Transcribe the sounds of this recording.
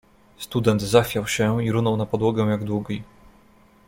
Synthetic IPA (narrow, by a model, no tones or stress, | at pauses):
st̪ud̪ɛnt̪zaxfʲjawɕɛiɾunɔwnapɔd̪wɔɡɛw̃jaɡd̪wuɡʲi